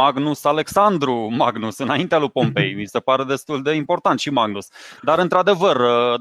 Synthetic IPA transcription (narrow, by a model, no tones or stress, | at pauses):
aɡnusale̞ksand̪ɾumaɡnusɨnaint̪ealujpo̞mpe̞̰jmise̞paɾe̞d̪e̞st̪uld̪e̞impo̞rt̪ant̪ʃimaɡnusd̪aɾɨnt̪ɾad̪e̞vərə